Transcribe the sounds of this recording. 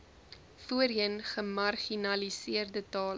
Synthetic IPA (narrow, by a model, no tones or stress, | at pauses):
fuəɾiənχəmɐrχinɐlisiərdətɑːl